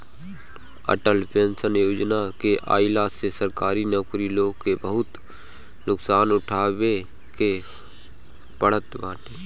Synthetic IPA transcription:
ə̰ʈəlpẽːnsənjoːd͡ʒnakeʔa̰ːɪlasesəɾkaːɾinəkɾiloːɡkebəɦʊt̪ | nʊksaːnʊʈʰaːwe | ke | pəɽ̤ət̪baːʈeː

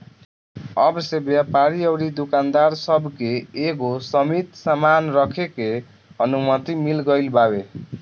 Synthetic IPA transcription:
ʌbsebjapaɾiʌwɾid̪ukand̪arsʌbkeːɡosʌmit̪samanrʌkʰeke | ʌnumʌt̪imilɡʌjlbawe

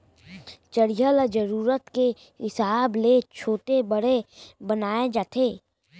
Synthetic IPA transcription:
t͡ʃəɾijəld͡ʒəɾuːɾət̪ke | ɦɪsaːblet͡ʃʰoːt̪ebəɽebənaːed͡ʒaːt̪ʰeː

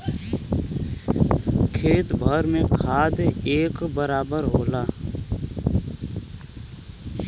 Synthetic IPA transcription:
kʰeːt̪bʱəɾmẽkʰaːd̪eːkbəɾaːbəɾɦoːlaː

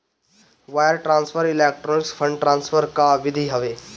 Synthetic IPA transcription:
ʋaːjəɾʈɾãːnsfʰəɾileːk̚ʈɾoːnɪksfʰəɳɖʈɾãːnsfʰəɾkaʋɪd̪ʱiɦəʋeː

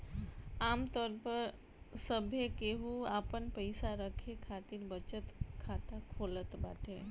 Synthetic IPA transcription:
aːmt̪ɔːɾpəɾ | səbʱekeɦuaːpənpəɪsaɾəkʰekʰaːt̪iɾbət͡ʃət̪kʰaːt̪akʰoːlət̪baːʈʰe

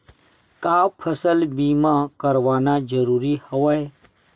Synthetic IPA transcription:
kaːpʰəsəlbiːmãkəɾʋaːnad͡ʒəɾuːɾihəʋəe

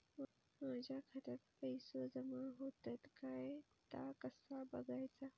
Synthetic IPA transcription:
maːd͡ʑʱakʰət̪ət̪pəjsozɐmãɦoːt̪ət̪kae | t̪a̰kəsabɐɡajt͡sa

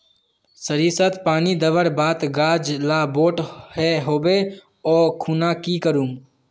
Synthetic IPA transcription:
səɾiːsət̪paːnid̪əʋəɾbaːt̪ɡaːd͡ʒlaboːʈhɛɦoːbe | ɔːkʰuːnakikəɾuːm

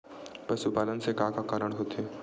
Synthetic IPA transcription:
pɐsupaːlənsekãːkakaːɾəɽ̃ɦoːt̪ɛ

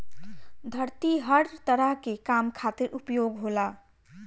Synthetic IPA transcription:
d̪ʱəɾt̪iɦəɾt̪əɾəɦkekamkʰat̪ɪɾʊpjoːɡɦola

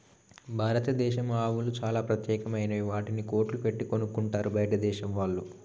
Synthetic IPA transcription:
bʱaːɾɐt̪ɐd̪ɛːʃɐmaːʋulut͡ʃaːlaːpɾɐt̪jɛːkɐmɐjnɐʋaːʈiniko̞ːɾʈlupe̞ʈːiko̞nukuɳʈaːɾubʱɐjɐʈɐd̪ɛːʃɐmʋaːɭːu

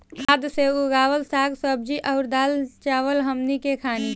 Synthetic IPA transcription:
kʰaːd̪seuɡaːʋəlsaːɡsəb̚d͡ʒiʔəʊɾd̪aːlt͡ʃaːʋəlɦəmnikekʰaːni

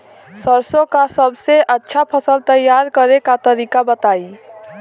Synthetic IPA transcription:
səɾsokasəbseʔətːʃʰapʰəsəlt̪əjːaɾkəɾekat̪əɾikabət̪ai

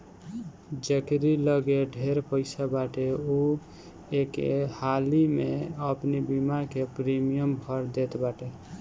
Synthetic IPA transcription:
d͡ʒəkɾiləɡeɖʱeɾpəɪsabaʈeu | ekehalimeəpnibimakepɾimijəmbʱəɾd̪et̪baʈe

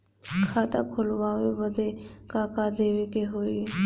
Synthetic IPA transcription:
kʰaːt̪a̰kʰʊlʋaːʋebəd̪ekaːkad̪eːʋekeɦoːi

